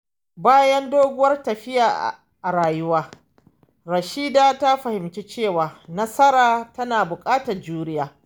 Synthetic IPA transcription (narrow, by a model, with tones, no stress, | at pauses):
baː˦jɐ˦ndoː˦ɡʷʊ˦wɐ˦rtɐ˨ɸɪ˦jaː˨ʔ | ʔa˨ɾaː˨jʊ˦waː˦ | ɾɐ˨ʃiː˦daː˦ta˦ɸɐ˨hɪ˨mt͡ʃe˦t͡ʃeː˦˨waː˨nɐ˦sɐ˦ɾaː˨tɐ˦naː˨bʊ˨kʼaː˦tɐ˨rd͡ʒuː˦ɾɪ˦jaː˨